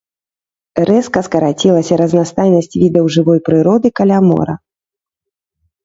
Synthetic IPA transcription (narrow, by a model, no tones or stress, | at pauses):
ɾʔɛskɐskɐɾat͡sʲilˠɐsʲɐɾɐznast̪ajnɐsʲt͡sʲvʲid̪ɐwʐɨvɔjpɾɨɾɔd̪ɨkalʲamɔ̰ɾɐ̰